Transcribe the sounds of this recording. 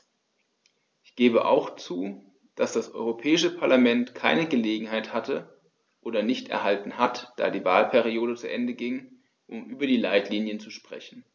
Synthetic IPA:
ʔɪçɡ̥eːbəʔa̰ʊxt͡suː | d̥asd̥asʔɔ̰ʏʁopʰɛːɪʃəpʰaɐlamɛntkʰaɪnəɡəleːɡŋ̩haɪthatʰə | ʔoːdɐnɪçtʔɛ̰ɐɦaltn̩hatd̥a̰ːdiːvaːlpʰɛʁioːdət͡suʔɛndəɡɪŋ | ʔʊmʔyːbɐdiːlaɪtliːnjənt͡suʃpʁ̥ɛ̰çn̩

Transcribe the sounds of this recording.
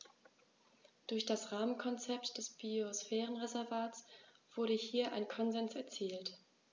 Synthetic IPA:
d̥ʊɐçd̥asʁaːmənkʰɔnt͡sɛptd̥ɛsb̥iosfɛːʁənʁezɛɐvaːtsv̥ʊɐɾəhiːɐʔa̰ɪnkʰɔnzɛnsɛɐt͡siːlt

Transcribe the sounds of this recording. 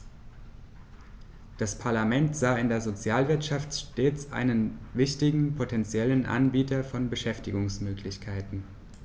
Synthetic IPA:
d̥aspʰaɐlamɛntz̥aːɪndeːɐzot͡sjaːlvɪɐtʃaftʃteːt͡sʔa̰ɪnənvɪçtɪɡŋ̩pʰotʰɛnt͡sjɛlənʔa̰nbiːtɐfɔnbəʃɛftɪɡʊŋsmøːklɪçkʰaɪtn̩

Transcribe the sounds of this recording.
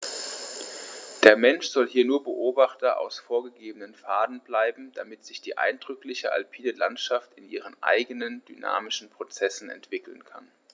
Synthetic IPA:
d̥eːɐmɛnʃz̥ɔlɦiːɐnuːɐbəʔoːbaχtɐʔa̰ʊsfoːɐɡəɡeːbənənfaːdn̩blaɪbm̩d̥amɪtz̥ɪçd̥ḭːʔa̰ɪndʁʏklɪçəʔa̰lpʰiːdəlantʃaftɪnʔiːʁ̞ənʔa̰ɪɡənəndyna̰ːmɪʃn̩pʁ̥ot͡sɛsn̩ɛ̰ntv̥ɪkl̩nkʰa̰n

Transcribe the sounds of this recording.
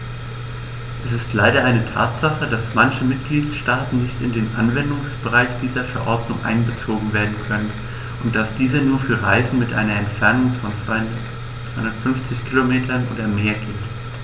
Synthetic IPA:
ʔɛsɪstlaɪɾɐʔaɪnətʰa̰ːtz̥aχədasmançəmɪt̚ɡ̥liːtʃtaːtn̩nɪçtɪndeːnʔa̰nvɛndʊŋsb̥əʁaɪçd̥iːzɐfɛɐʔɔɐdnʊŋʔa̰ɪnbət͡soːɡŋ̩veːɐdn̩kʰœnən | ʔʊnt̚d̥asd̥iːzənuːɐfyːɐʁa̰ɪzn̩mɪtʔa̰ɪnɐɛntfɛɐnʊŋfɔn | t͡saɪʊndɐtfʏnft͡sɪçkʰilomeːtʰɐnʔo̰ːdɐmeːɐɡɪlt

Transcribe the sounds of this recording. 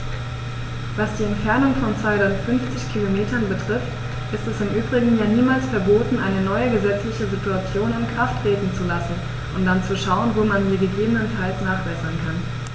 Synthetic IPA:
vasd̥iːɛntfɛɐnʊŋfɔnt͡sv̥aɪtfʏnft͡sɪçkʰilomeːtɐnbətʁ̥ɪft | ʔɪstɛsɪmʔyːbʁɪɡŋ̩jaːniːmaːlsfɛɐboːtn̩ʔaɪnənɔʏəɡəzɛt͡slɪçəzituat͡sjoːnɪnkʁ̥aftʁ̥eːtn̩t͡sulasn̩ | ʔʊnt̚d̥ant͡suʃaʊənvoːmandiːɐɡəɡeːbənənfaɪlsnaːχb̥ɛsɐnkʰan

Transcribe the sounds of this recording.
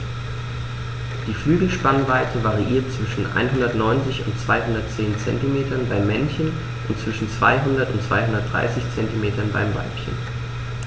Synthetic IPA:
d̥iːflyːɡl̩ʃpanvaɪtʰəvaʁiʔiːɐt̚t͡sv̥ɪʃn̩ʔa̰ɪnɦʊndɐtnɔʏnt͡sɪçʊ̰ntt͡sv̥aɪɦʊndɐt̚t͡seːnt͡sɛ̰ntimeːtɐnbaɪmːɛnçən | ʔʊntt͡sv̥ɪʃn̩t͡sv̥a̰ɪɦʊndɐtʊntt͡sv̥aɪɦʊndɐt̚d̥ʁa̰ɪsɪçt͡sɛntimeːtɐnba̰ɪmva̰ɪpçə̰n

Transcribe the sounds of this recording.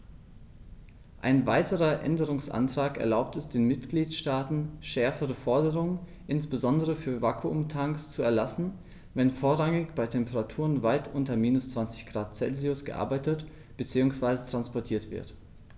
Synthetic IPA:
ʔa̰ɪnvaɪtʰəʁɐʔɛ̰ndəʁʊŋsʔa̰ntʁ̥aːkɛɐlaʊp̚tɛsd̥eːnmɪtɡ̥liːtʃtaːtn̩ʃɛɐfəʁəfɔɐdəʁʊŋən | ʔɪnsb̥əzɔndəʁəfyːɐvakʰuʔʊmtʰaŋkst͡suɛɐlasn̩ | vɛnfoːɐʁaŋɪçb̥aɪtʰɛmpəʁatʰuːʁənvaɪtʰʔʊntɐmiːnʊst͡sv̥ant͡sɪçɡ̥ʁaːt̚t͡sɛ̰lziʊsɡ̥əʔa̰ɐbaɪtət | b̥ət͡siːʊŋsv̥aɪzətʁ̥anspɔɐtʰiːɐtv̥ɪ̰ɐt

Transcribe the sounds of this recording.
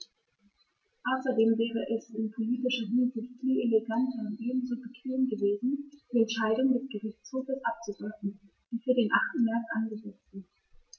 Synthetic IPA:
ʔaʊsɐdeːmvɛːʁəʔɛsɪnpʰoliːtɪʃɐɦɪnzɪçtfiːleleɡantɐʊntʔeːbm̩zoːbəkʰv̥eːmɡəveːzn̩d̥iːɛntʃaɪdʊŋdɛsɡ̥əʁɪçt͡shoːfəsʔap̚t͡suɡʁɛfn̩ | d̥iːfyːɐdeːnʔaχtn̩mɛɐk̚tʔanɡəzɛt͡stz̥ɪnt

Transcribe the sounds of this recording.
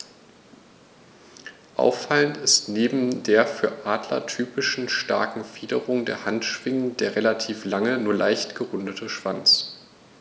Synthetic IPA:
ʔa̰ʊfaləntɪstneːbm̩deːɐfyːɐʔaːdlɐ̰tʰyːpɪʃn̩ʃta̰ɐkŋ̩fiːdəʁʊŋdḛːɐhantʃv̥ɪŋənd̥eːɐʁelatʰiːflaŋənuːɐlaɪçtɡ̥əʁʊndətʰəʃv̥ant͡s

